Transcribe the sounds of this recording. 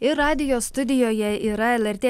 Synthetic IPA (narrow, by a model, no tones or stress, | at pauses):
ɪɾɑːd̪ʲɪjost̪ʊd̪ʲɪjojɛiːɾɑɛlʲæɾʲt̪ʲeː